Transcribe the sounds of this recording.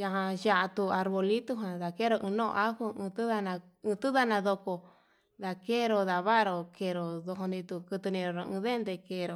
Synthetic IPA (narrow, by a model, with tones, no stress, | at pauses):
ja˧ɦã˧ʒa˧ʔa˧t̪u˧a˧ɾβo˧li˦t̪u˦ɦã˨ða˨ke˦ɾo˧ʔɨ̃˧nõ̰˦˧ʔa˦ku˦ɨ̃˧t̪u˦ða˧nãː˧ | t̪u˦ða˧nã˧ðo˧ko˧ | ða˧ke˦ɾo˧ða˨βa˦ɾo˧ke˧ɾo˨ðo˧ɦo˧nĩ˧t̪u˧kɨ˧t̪u˧nĩ˧ɾo˨ɾo˧ɨ̃ː˧ðe˦nd̪e˧ke˧ɾo˨